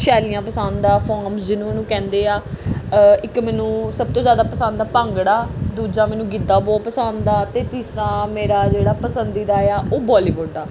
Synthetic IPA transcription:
ʃɛːliːãːpəsand̪aːpʰɔːɾmsd͡ʒɪnũːonũːkɛ̃ːnd̪eːaː | ɪkmɛːnũːsəb̚t̪õːzjaːd̪aːpəsãnd̪aːpəŋɡɽaːd̪uːd͡ʒãːmɛːnũːɡɪd̪aːbɔːt̪̚pəsand̪d̪aːt̪eːt̪iːsɾãːmeːɾaːd͡ʒeːɽaːpəsənd̪iːd̪aːeaːʔoːbaːliːʋʊɖd̪aː

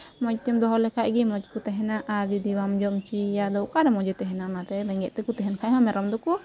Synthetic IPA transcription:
mɔd͡ʒ̚t̪ɛmd̪ɔɦɔlɛkʰaʔɡɛmɔd͡ʒkut̪ɛɦɛnaʔaɾd͡ʒɔd̪iwamd͡ʒɔmt͡ʃijad̪ɔwkaɾɛmɔd͡ʒɛt̪ɛɦɛnanat̪ɛɾɛŋɡɛʔ̪̚t̪ɛkut̪ɛɦɛnkʰajɦɔ̃mɛɾɔmd̪ɔku

